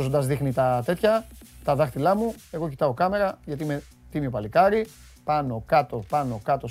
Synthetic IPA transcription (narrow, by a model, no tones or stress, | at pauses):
zond̪ɐzðixnit̪ɐt̪e̞t̪çɐt̪ɐðɐxt̪ilɐmue̞ɣo̞cit̪ɐo̞kɐme̞ɾɐʝɐt̪iime | t̪imiopɐlikɐɾi | pɐno̞kɐt̪o̞pɐno̞kɐt̪o̞